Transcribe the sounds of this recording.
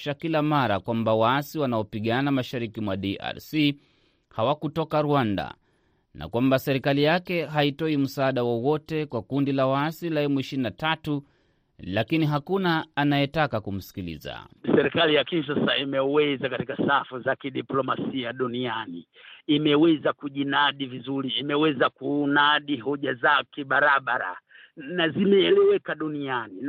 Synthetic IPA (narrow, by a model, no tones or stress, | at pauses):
ʃakilamaɾakwambawaasiwanaɔpiɠanamaʃaɾikimwaɗiʔa̰ɾsi | hawakutɔkaɾuwanda̰ | na̰kwambasɛɾikalijakɛɦaitɔim̩saːɗawɔwɔtɛkwakundilawaasilɛɛmwiʃinnatatu | lakiniɦakunaːnajɛtakakum̩si̥kilḭza̰sɛɾɛkalijakis̬asaimɛwɛzakatikasafuzakiɗiplɔmasiaɗuniani | imɛwɛzakuʄinaɗivizuɾiːmɛwɛzakunaɗiɦɔʄazakɛɓaɾaɓaɾa̰ | nazimɛːlɛwɛkaɗuniani